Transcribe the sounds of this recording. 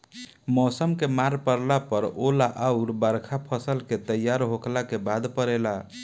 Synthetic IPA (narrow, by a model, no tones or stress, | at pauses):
mɔsəmkemaɾpəɾlapəɾolaʔauɾbəɾkʰapʰəsəlket̪əjaɾɦoklakebad̪pəɾela